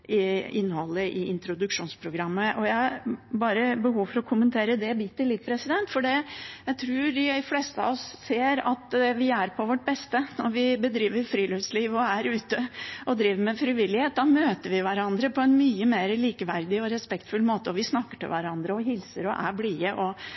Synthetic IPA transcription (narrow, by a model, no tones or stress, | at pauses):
ʔɪɪnːhɔlːəʔɪɪnt̪ɾʊd̪ʉkʂuːnspʰɾʊɡɾɑmːəʔɔjæɪɑɾbɑːɾəbəhuːʋfɔɾɔkʰʊmənt̪ʰeːɾəd̪ɛbit̪ːɪlɪt̪̚pʰɾɛsɪd̪ɛnt̪fɔɖɛjæɪt̪ʰɾuːɾd̪ɪfleːst̪əɑ̰ʋɔsseːɾɑt̪ɛʋɪæɾpʰɔʋɔʈ̚ːbɛst̪ənɔɾʋɪbəd̪ɾiːʋəɾfɾiːlʏʋsliːʋɔæɾʉːt̪əʔɔd̪ɾiːʋəɾmɛfɾɪʋɪlːɪheːt̪̚d̪ɑmøːt̪əɾʋɪʋæɾɑnd̪ɾəpʰɔɛnmyːəmeːɾəliːkəʋæɾd̪ɪɔɾɛspɛkt̪fʉlːmoːt̪əɔʋɪsnɑkːəʈɪlʋæɾɑnd̪ɾəɔɦɪlsəɾɔʔæ̰bliːəʔɔ